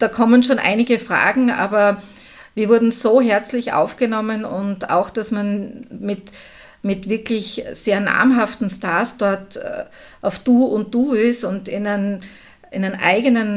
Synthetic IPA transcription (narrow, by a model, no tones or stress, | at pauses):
d̥aːkʰɔmənʃoːnʔa̰ɪnɪɡəfʁ̥a̰ːɡŋ̩ʔa̰ːbɐ | viːɐvʊɐdn̩zoːɦɛɐt͡slɪçʔa̰ʊfɡ̥ənɔmənʊnta̰ʊxd̥asmanmɪt | mɪtv̥ɪɐkʰlɪçseːɐna̰ɐmɦaftn̩staɐsd̥ɔɐtː | ʔaʊfd̥uːʊnt̚d̥uːɪstʊntɪnən | ʔɪnənʔa̰ɪɡənən